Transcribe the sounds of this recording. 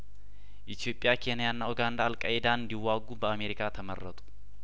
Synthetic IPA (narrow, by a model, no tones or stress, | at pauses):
ʔɪt̪ʰijo̞pʼːjakʰe̞nɪjanːaoɡand̪aːlkʼaʔɛd̪aɨnd̪iwːaɡubəame̞ɾɪkʰat̪ʰəmərːət̪ʼu̥